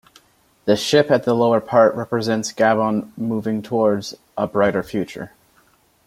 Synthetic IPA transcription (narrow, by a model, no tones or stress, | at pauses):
ðɨʃɪpɨt̪̚ðəloʊə˞pʰɑɹʔɹɛpɹɨzɛ̃ntsɡ̥æbə̃nmuvɪ̃ŋtʰwɔɹdz | ʔəbɹaɪɾə˞fjʉt͡ʃə̰˞